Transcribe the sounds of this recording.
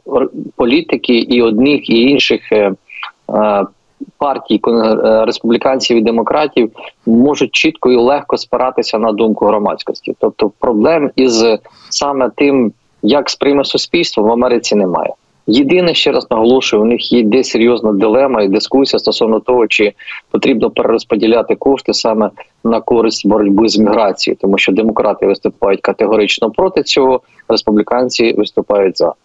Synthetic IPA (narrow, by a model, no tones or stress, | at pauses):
pɔlʲit̪ɪkɪʔiɔd̪nɪxiinʃɪx | pɑrtʲijkɔɾespublʲɪkɑnʲsʲiwid̪emɔkɾʔɑtʲiwmɔʒʊt̚ʲt͡ʃit̪kɔilˠɛxkɔspɪɾʔɑt̪ɪsʲɐnɐd̪umkʊɦɾɔmɑ̰t͡sʲkɔsʲtʲḭt̪ɔp̚t̪ɔpɾɔblˠɛmiz | sɑmɛt̪ɪm | jɐkspɾɪmɛsʊsʲpʲilʲst̪ʋɔmʋɐmɛɾɪt͡sʲinɛmɑ̰jɛ̰ | jɪd̪ɪnɛʃt͡ʃɛɾʔɑ̰snɐɦɔlˠɔʃʊjɛʊnɪxjɛd̪ɛsʲeɾʲjɔznɐd̪ɪlˠɛmɐid̪ɪskusʲijɐst̪ɔsɔwnɔt̪ɔɦɔt͡ʃɪpɔt̪ɾʲibnɔpeɾʔeɾɔspɔdʲilʲɑt̪ɪkɔʂt̪ɪsɑmɛ | nɐkɔɾɪsʲtʲbɔɾɔdʲbɪzmʲiɦɾɑt͡sʲijḭt̪ɔmuʃt͡ʃɔd̪emɔkɾʔɑt̪ɪʋɪst̪ʊpɑjʊt̚ʲkɐt̪eɦɔɾɪt͡ʃnɔpɾɔt̪ɪt͡sʲɔɦɔ | ɾespublʲɪkɑnʲt͡sʲiʋɪst̪ʊpɑjʊtʲzɑ̰